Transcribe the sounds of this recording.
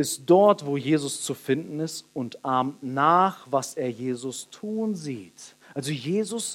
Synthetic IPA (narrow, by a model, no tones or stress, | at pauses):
ɪstd̥ɔɐtv̥oːjeːzʊst͡sufɪndn̩ɪstʊntʔaɐmtnaːχv̥asʔeːɐjeːzʊstʰuːənziːt | ʔalzojeːzʊs